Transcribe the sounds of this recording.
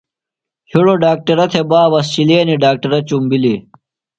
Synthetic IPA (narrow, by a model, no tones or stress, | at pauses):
hiɽoɖaːk̚ʈɐɾɐt̪ʰebaːbɐsɕileːniɖaːk̚ʈɐɾɐt͡ɕumbili